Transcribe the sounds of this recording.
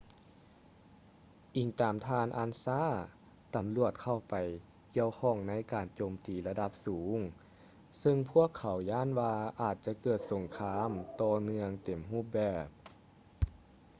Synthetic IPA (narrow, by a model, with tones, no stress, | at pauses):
ʔi˨˩ŋt̪aː˨˩mt̪ʰaː˧nʔa˧˥˨nsaː˧˥˨ | t̪a˨˩mlu˧˩ət̪̚kʰa˧˩wpa˨˩j | ki˧˨əwkʰɔː˧˩ŋna˧˥˨jkaː˨˩nt͡ɕoː˨˩mt̪iː˨˩la˧da˧˥p̚suː˨˦ŋ | sɤ˧ŋpʰu˥˩əkʰːa˨˩˦wjaː˧˥˨nwaː˧ʔaː˨˩t̪̚t͡ɕa˧kɤː˨˩t̪̚so˨˩ŋkʰaː˧˥mt̪ɔː˧mɯ˧əŋt̪e˨˩mɦuː˧˥˩p̚bɛː˧˩p̚